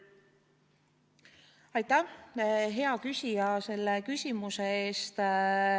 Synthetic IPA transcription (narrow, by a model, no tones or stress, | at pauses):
ɑjt̪ːˑæ | ɦe̞ɑkysʲijɑse̞lːekysʲimuseeːst̪